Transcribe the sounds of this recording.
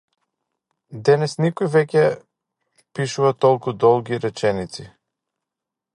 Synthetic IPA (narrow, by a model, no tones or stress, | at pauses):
d̪ɛnɛsnikɔjvɛcʲɛ | piʃuvat̪ɔlˠkud̪ɔlˠɡʲiɾɛt͡ʃɛnit̪si